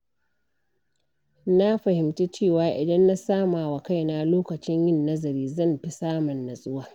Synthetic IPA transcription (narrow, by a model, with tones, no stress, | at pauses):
na˦ɸɐ˨hɪ˨mti˦t͡ʃeː˦˨waː˨ʔɪ˨dɐ˦nːa˦saː˦maː˨wa˨ka˦˨jna˦loː˦kɐ˨t͡ʃɪ˦ɲjɪ˦˨nːɐ˦zɐ˨ɾiː˦zɐ˦˨mɸi˦saː˦mʊ˨nːa˨sʼʊ˦waː˦